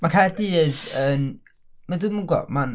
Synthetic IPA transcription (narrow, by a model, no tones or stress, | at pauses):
makʰajrdiːðən | madumuɡɔ̰man